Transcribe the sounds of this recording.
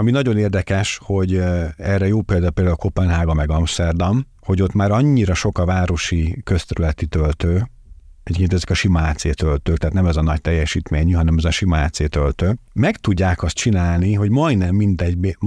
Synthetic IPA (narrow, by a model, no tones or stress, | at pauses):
ɒminɒɟo̞neːrd̪ɛkɛʃho̞ɟɛrɛjoːpeːld̪aːulpeːld̪aulko̞pɛnɦaːɡɒmɛɡɒmst̪ɛrd̪ɒm | ho̞ɟo̞t̪maːɾɒɲːiɾɒʃo̞kɒvaːɾo̞ʃikø̞st̪ɛɾylɛt̪it̪ølt̪øː | ɛɟekeːnɛzɛkɒʃimɒaːt̪seːt̪ølt̪øːkt̪ɛɦːt̪nɛmɛzɒnɒct̪ɛjːɛʃiːt̪meːɲyɦɒnɛmɛzɒʃimɒa̰ːt̪seːt̪ølt̪øːmɛkt̪uɟːaːkɒst̪t͡ʃinaːlniɦo̞ɟmɒjnɛmːind̪ɛɟbe